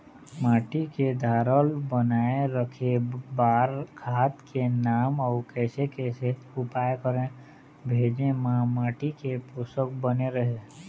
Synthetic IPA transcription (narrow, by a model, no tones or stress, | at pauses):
maːʈiked̪ʱaːɾəlbənaːeɾəkʰebaːɾkʰaːt̪kenaːmɔːkɛːsekɛːseʊpaːjkəɾẽ | bʱeːd͡ʒẽmãmaːʈikepʊsəkbəneɾəɦe